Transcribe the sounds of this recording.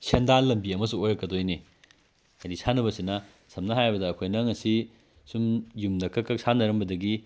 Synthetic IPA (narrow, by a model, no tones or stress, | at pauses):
sendanlɐmbiɐmɐs̬uojɾɐkːɐdojne | hajdisanɐbɐsinɐ | sʰɐmnɐɦajbɐdɐːkʰojnɐŋɐsi | sumjumdɐkʰɐkːɐk̚sanɐɾɐmbɐdɐɡi